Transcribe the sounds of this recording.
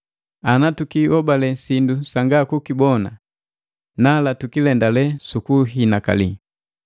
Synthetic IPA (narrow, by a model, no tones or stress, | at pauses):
anatukiwɔbalɛsindusaŋɡakukibɔna̰ | nalatukilɛndalɛsukuɦinaka̰li